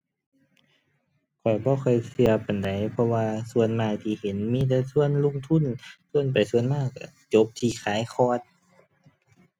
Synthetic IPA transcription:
kʰɔ˨˩jbɔː˧˦xʰɔ˧˩jsɯ˧ɐpa˨˩nda˨˩jpʰɔ˧waː˧su˧˨ənmaː˧˩jt̪ʰiː˧˩he˨˦nmiː˧˥˨t̪̬ɛː˧su˧˨ənlo˧˨ŋt̪ʰu˧˥˨nsu˧ənpa˨jsu˧ənmaː˧˩ka˧˩t͡ɕo˧˦˥p̚t̪ʰiː˧˩xʰaː˨˦jxʰɔː˧˩t̪̚

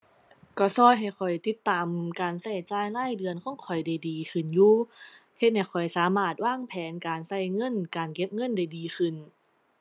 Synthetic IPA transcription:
kɔː˧˩sɔː˧˥˩jɦa˨˩jkʰɔ˨˩jt̪i˧˦˥t̪ːaː˨mkaː˨˩nsa˧˩jt͡ɕaː˧˥jlaː˧˥˨jdɯ˧ənkʰɔː˧˥˨ŋkʰɔ˨˩jda˧˩jdiː˨kʰɯ˧˩njuː˧he˧t̪̚ha˧˩jkʰɔ˨˩jsaː˨˦maː˧˩t̪̚waː˧˥˩ŋpʰɛː˨˦nkaː˨˩nsa˧˩jŋɤ˧˥˨nkaː˨nke˧˥p̚ŋɤ˧˥˨nda˧˩jdiː˨xʰɯ˧˩n

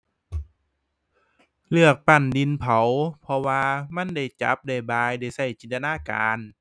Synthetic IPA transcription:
lɯ˧˩ək̚pa˧˩ndi˧˦npʰa˨˦wpʰɔ˧waː˧ma˧˥˨nda˧˥˩jt͡ɕa̰˧˦p̚da˧˩jbaː˧jda˧˩jsa˧˩jt͡ɕi˨˧˩nt̪ʰa˧naː˧˥˨ka̰ː˨˧n

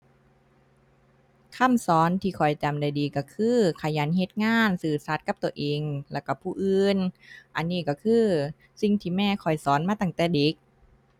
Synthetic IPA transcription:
kʰa˧˥˩msɔː˨˦nt̪ʰiː˧˩kʰɔ˨˩jt͡ɕa˨˩mda˧˩jdiː˨˧kɔː˧˩kʰɯː˧˩kʰa˧˩jaː˨˦nhe˧˦t̪̚ŋaː˧˥˩nsɯː˨˩sa˧˦t̪̚ka˧˥p̚t̪u˧˩əʔeː˧ŋlɛː˧˩wka˧˩pʰuː˧˩ʔɯː˧nʔa˧nːiː˧˩kɔː˧˩kʰɯː˧˩ | si˧˩ŋt̪ʰiː˧˩mɛː˧˩kʰɔ˨˩jsɔː˨˦nmaː˧t̪aː˧˩ŋt̪ɛː˨˩de˨˦k̚

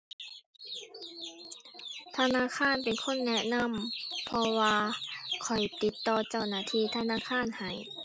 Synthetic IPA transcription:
t̪ʰa˧naː˧˥˨kʰaː˧˥˨npe˨nkʰo˧˥˨nːɛ˧˥na˧˥˨mpʰɔ˧waː˧kʰɔ˨˩jt̪i˨˦t̪ːɔː˧t͡ɕa˧˩wnaː˧˥˨t̪ʰiː˧˩t̪ʰa˧˥˨naː˧˥˨kʰaː˧˥˨nha˨˩j

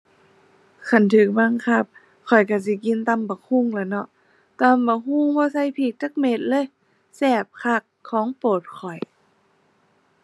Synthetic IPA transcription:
kʰa˧˩nt̪ʰɯː˨˩k̚ba˧˥˨ŋkʰa˧˩p̚ | kʰɔ˨˩jka˧˩si˧˦ki˧˨nt̪a˧˥˨mbɔ˧˩kʰu˧˩˨ŋlɛː˧˩nɔ˧ʔ | t̪a˧˨mbɔː˧˩ɦuː˧˥˨ŋbɔː˧sa˧˥˨jpʰiː˧˩k̚t͡ɕa˧˦k̚me˧˥t̪̚lɤː˧˥˨j | sɛː˧˩p̚kʰa˧˩kʰːɔː˨˦ŋpoː˨˩t̪̚kʰɔ˨˩j

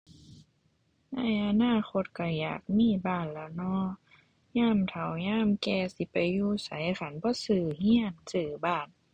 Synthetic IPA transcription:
na˧˥˩jʔa˧naː˧˥˩xo˧t̪̚ka˧˩ja̰ː˨˩k̚miː˧˥˨baː˧˩˨nlɛ˧˩wnɔː˧˥˨ | ɲaː˧˥˨mt̪ʰa˨˩wɲaː˧˥˨mkɛː˧si˧˦pa˨jːuː˧˨sa̰˨˦jʔa˧xa˧˦nbɔː˧˦sɯː˧˩hi˧˥˨ənsɯː˨˧˩baː˧˩n

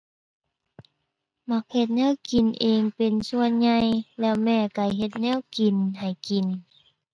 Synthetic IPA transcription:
ma˧˥k̚he˧˩t̪̚nɛː˧˥˨wki˨˩nʔeː˨ŋpe˨˩nsu˧˨ənɲa˧jlɛː˧˨wmɛː˧˩˨ka˧˩jɦe˧t̪̚nɛː˧˥˨wki˨˩nha˨˩jki˨˩n

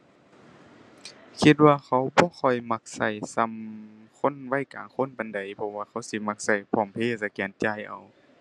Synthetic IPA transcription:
kʰi˧t̪̚waː˧xʰa˧˩wbɔː˧˦xʰɔ˧˩jma˧k̚sa˧˩jsa˧˨mkʰo˧˥˨nwa˧˥˨jka̰ː˨˦ŋkʰo˧˥˨npa˨˦nda˨˦jpʰɔ˧waː˧xʰa˧˥˩wsi˧˦ma˧k̚sa˧˩jpʰɔː˧˩˨mpʰeː˧˨sa˧kɛː˨˦nt͡ɕaː˧˨jʔa̰˨˩w

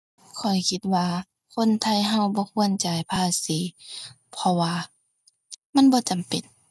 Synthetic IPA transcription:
kʰɔ˨˩jkʰi˧˦t̪̚waː˧ | kʰo˧˥˨nt̪ʰa˧˥˨jɦa˧˨wbɔː˧˦kʰu˧˨ənt͡ɕa˨˩jpʰaː˧˩siː˨˦ | pʰɔ˧waː˧ | ma˧˥˨nbɔː˧˦t͡ɕa˨˩mpe˨n

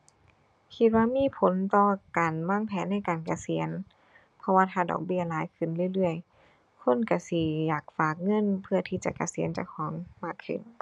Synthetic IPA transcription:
kʰi˧t̪̚waː˧miː˧˥˨pʰo˨˦nt̪ɔː˧kaː˨˩nwaː˧˥˨ŋpʰɛː˨˦nːa˧˥˩jkaː˨˩nka˨˧˩si˨˩˦ən | pʰɔ˧waː˧t̪ʰaː˧˩dɔ̰ː˨˩k̚bi˧˥˩ɐlaː˨˦jkʰɯ˧˩˨nlɯ˧˨lɯ˧˩əj | kʰo˧˥˨nka˧˩si˧˩jaː˨˩k̚faː˨˩k̚ŋɤ˧˥˨npʰɯ˧˩ɐt̪ʰiː˧˩t͡ɕa̰˧ka˨˧˩si˨˩˦ənt͡ɕa̰˧˩kʰɔː˨˦ŋmaː˧˩kʰːɯ̰˧˩˨n

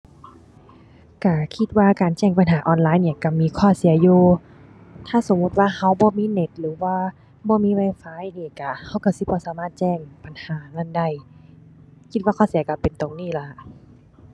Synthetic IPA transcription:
ka˧˩kʰi˧t̪̚waː˧kaː˨˩nt͡ɕɛː˧˩˨ŋpa˨nɦaː˨˦ʔɔː˨˧˦nlaː˨˧˨jniː˧˩˨ka˧˩miː˧˥˨kʰɔː˧˩si˨˩˦ɐjuː˧ | t̪ʰaː˧˥˨so˨˦mːu˧t̪̚waː˧˨ha˧˩wbɔː˧˦miː˧˥˨ne˧˦t̪̚lɯː˨˦waː˧ | bɔː˧˦miː˧˥˨wa˧˩jfaː˧˥˨jniː˧˩ka˧˩ha˧˥˩wka˧˩si˧˦bɔː˧˦˨saː˨˦maː˧˥˩t̪̚t͡ɕɛː˧˩ŋpa˨nhaː˨˦na˧˩˨nda˧˩˨j | kʰi˧t̪̚waː˧kʰɔː˧˩˨si˨˩˦ɐka˧˩pe˨nt̪o˨ŋniː˧˩˨la˧˦ʔ

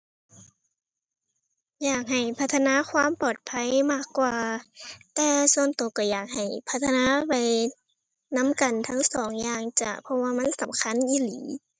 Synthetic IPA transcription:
jaː˨˩k̚ɦa˨˩jpʰa˧˥t̪ʰːa˧naː˧˥˨kʰwaː˧˥˨mpɔː˨˩t̪̚pʰa˧˥˨jmaː˧˩kːwaː˧t̪ɛː˧su˧ənt̪o˨˦kɔː˧˩jaː˨˩k̚ha˨˩jpʰa˧˥t̪ʰːa˧naː˧˥pa˨j | na˧˥˨mka˨˩nt̪ʰa˧˥ŋsɔː˨˦ŋjaː˧ŋt͡ɕa˧˩pʰɔ˧waː˧˨ma˧˥˨nsa˨˦mkʰa˧˥˨nʔiː˧˥˨liː˨˦

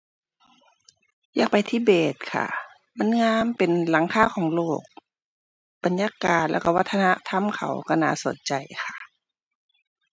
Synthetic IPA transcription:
jaː˧˩k̚pa˨jt̪ʰiː˧˩˨beː˨˩t̪̚kʰa̰˧˩ | ma˧˥˨nŋaː˧˥˨mpe˨nla˨˦ŋkʰaː˧˥˨kʰɔː˨˦ŋloː˥˩k̚ | ba˨njaː˧˨kaː˨˩t̪̚lɛ̰˧˩ka˧˩wa˧t̪ʰːa˧na˧˥t̪ʰa˧˥˨mkʰa̰˨˩wka˧˩na̰ː˧˩˨so˨˦nt͡ɕa˨˩jxʰa˧˩

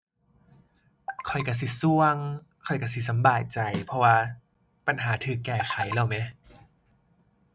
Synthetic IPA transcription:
kʰɔ˨˩jka˧˩s̬i˧˦su˧əŋ | kʰɔ˨˩jka˧˩si˧˩s̬a˨˦mbaː˨˩j̚t͡ɕa˨˩jpʰɔ˧waː˧ | pa˨nɦaː˨˩˦t̪ʰɯː˧˩kːɛː˧˩xʰa˨˩˦jla˧˩wmɛ˧˥˨

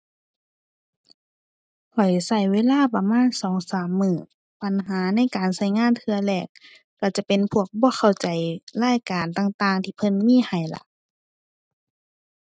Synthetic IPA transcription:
kʰɔ˨˩jsa˧˩jweː˧˥˨laː˧˥˨pa˧maː˧˥˨nsɔː˨˦ŋsaː˨˦mːɯː˧˩ | pa˨nɦaː˨˦na˧˥˨jkaː˨nsa˧˩jŋaː˧˥˨nt̪ʰɯ˧ɐlɛː˧˩kː | a˧˩t͡ɕa˧˦pe˨npʰu˧˩ək̚bɔː˧˦xʰa˧˩wt͡ɕa˨jlaː˧˥˨jkaː˨nt̪aː˧˨ŋt̪aː˧˩ŋt̪ʰiː˧pʰɤ˧˥˨nmiː˧˥˨ha˨˩jla̰˧˦ʔʔ

